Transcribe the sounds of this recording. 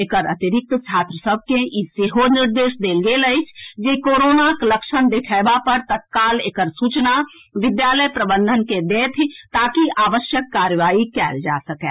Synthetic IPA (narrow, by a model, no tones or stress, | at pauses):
eːkəɾət̪iɾɪk̚t̪t͡ʃʰaːt̪ɾəsəb̚ʱkeiseːɦonɪɾd̪eːʃd̪eːlɡeləɪt͡ʃʰd͡ʒekoːɾoːnakləkʃənd̪ekʰɛɪbapəɾt̪ət̪̚kaːleːkəɾsuːt͡ʃna | ʋɪd̪jaːləjpɾəbə̃nd̪ʱənked̪et̪ʰt̪aːkiʔaːʋəʃjəkːaːɾjəʋaːikɛ̰ːld͡ʒa̰səkɛ̰ː